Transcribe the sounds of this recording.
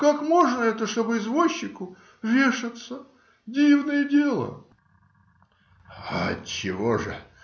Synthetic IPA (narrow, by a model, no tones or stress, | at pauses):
kakmo̞ʐnəɛt̪əʂt̪o̞bɨɪzvoɕːɪkʊ | vʲeʂɨt̪sə | dʲivnəjədʲelˠə̰ | a̰t͡ɕɪvoʐɨ